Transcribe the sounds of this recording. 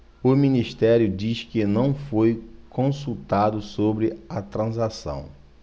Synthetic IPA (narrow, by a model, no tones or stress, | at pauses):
ʊminiʃt̪ɛɾjʊd͡ʒiʃkɪnɐ̃w̃fojkõsut̪ad̪ʊsobɾɪɐt̪ɾɐ̃zasɐ̰̃w̃